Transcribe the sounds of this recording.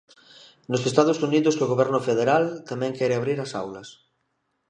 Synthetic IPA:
nosest̪aðosuniðosoɣoβɛɾnʊfeðeɾalt̪amɛ̃ŋkɛɾeaβ̞ɾiɾasa̰wlɐs

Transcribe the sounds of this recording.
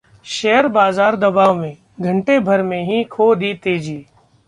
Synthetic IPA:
ʃɛɦəɾbaːzaːɾd̪əbaːʋmẽː | ɡʱəɳʈeːbʱəɾmẽːɦikʰoːd̪iːt̪eːd͡ʒiː

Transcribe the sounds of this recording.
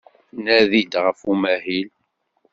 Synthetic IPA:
næðid̪ʁəfumæhil

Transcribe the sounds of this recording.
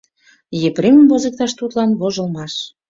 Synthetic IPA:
jepɾeməmvozə̆k̚t̪ɑʃt̪ut̪lɑnβoʒə̆lmɑʃ

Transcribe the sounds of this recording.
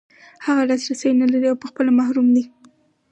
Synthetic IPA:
haɣalɑsɾasajnalaɾiawpəxpəlamahɾumd̪i

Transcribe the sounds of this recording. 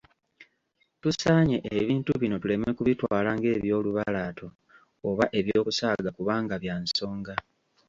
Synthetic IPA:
tusaːɲe̞ʔeβiːntuβino̞tule̞mekuβitwaːlaŋɡe̞ːβjo̞ːluβalaːtʰo̞ː | βaʔe̞βjoːkusaːɡakuβaːŋɡaβjaːnso̞ːŋɡa

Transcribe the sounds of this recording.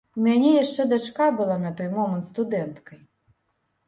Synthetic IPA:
umʲanʲɛjaʂt͡ʂɛd̪at͡ʂkabɨlˠanɐt̪ɔjmɔmɐnt̪st̪ud̪ɛnt̪kɐj

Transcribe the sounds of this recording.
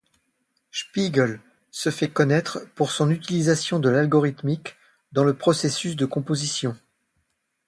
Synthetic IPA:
spiɡəl | səfɛkɔnɛt̪χəpuʁsɔ̃nyt̪ilizasjɔ̃d̪əlalɡɔʁit̪mik | d̪ɑ̃ləpχɔsesysd̪əkɔ̃pozisjɔ̃

